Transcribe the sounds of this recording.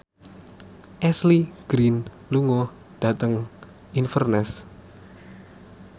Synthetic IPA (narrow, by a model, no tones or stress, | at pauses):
ʔɛsliɡ̥ɾin | luŋɔ | d̥a̤t̪əŋ | infərnɛs